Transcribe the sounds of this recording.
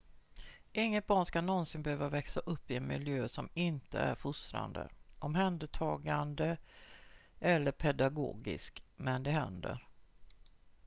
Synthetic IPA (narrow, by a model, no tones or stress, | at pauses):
ʔɪŋːət̪̚bɑːɳskanɔnsɪnbɛhøːvavɛksaʔɵpːɪɛnmɪljøːsɔmɪnt̪ə̰æ̰ɾfʊst̪ɾa̰nd̪ə̰ʔɔmɦɛnd̪əʈ̪ʰɑːɡand̪ə | ʔɛlːəɾpʰɛd̪aɡo̰ːɡɪ̰skmɛnd̪ɛɦɛnd̪ə̰ɾ